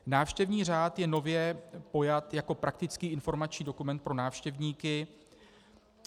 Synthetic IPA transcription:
naːfʃcɛvɲiːr̝aːt̪jɛno̞vjɛpo̞jat̪jako̞pɾakt̪ɪt͡skiːʔɪnfo̞ɾmat͡ʃɲiːdo̞kumɛnt̪̚pɾo̞naːfʃcɛvɲiːkɪ

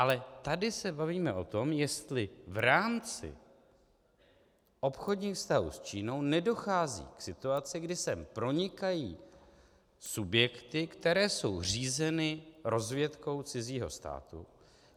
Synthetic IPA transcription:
ʔalɛt̪adɪsɛbaviːmɛʔo̞t̪o̞mjɛst̪lɪvɾaːmt͡sɪ̰ | ʔo̞pxodɲiːxfst̪aɦṵːst͡ʃiːnownɛdo̞xaːzḭːksɪt̪uat͡sɪɡdɪsɛmpɾo̞ɲɪkajiː | subjɛkt̪ɪkt̪ɛɾɛːso̞wr̝iːzɛnɪɾo̞zvjɛt̪ko̞wt͡sɪziːɦo̞̰st̪a̰ːt̪ṵ

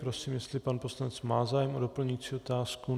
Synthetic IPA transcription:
pɾosiːmjɛst̪lɪpanposlanɛt͡smaːzaːjɛmodopl̩ɲuit͡siːot̪aːsku

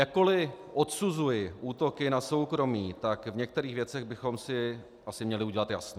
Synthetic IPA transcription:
jak̚kːo̞lɪʔo̞t̪suzujɪʔuːt̪o̞kɪnaso̞wkɾo̞miːt̪akvɲɛkt̪ɛɾiːxvjɛt͡sɛɣbɪxo̞msɪ | ʔasɪmɲɛlɪuɟɛlat̪ja̰sno

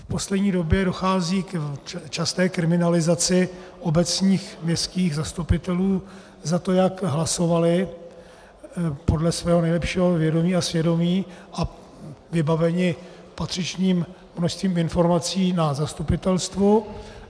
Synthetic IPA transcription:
fpo̞slɛdɲiːdo̞bjɛdo̞xaːziːkt͡ʃast̪ɛːkɾɪmɪnalɪzat͡sɪʔo̞bɛt͡sɲiːxmɲɛskiːɣzast̪upɪt̪ɛluː | zat̪o̞jakɦlaso̞valɪ | po̞dlɛsvɛːɦonɛjlɛpʃiːɦovjɛdo̞miːasvjɛdo̞miːʔa | vɪbavɛɲɪ | pat̪r̝̥ɪt͡ʃɲiːm | mnoʃst̪viːmɪnfo̞ɾmat͡siːnazast̪upɪt̪ɛlst̪vu

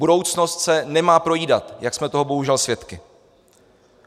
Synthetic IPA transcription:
udo̞wt͡sno̞st̪sɛnɛmaːpɾo̞jiːdat̪jaksmɛt̪o̞ɦobo̞ɦuʒɛlsvjɛt̪kɪ

